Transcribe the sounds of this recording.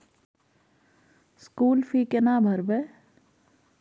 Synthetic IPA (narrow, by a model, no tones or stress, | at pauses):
skuːlfʰikenaːbʱəɾbɛ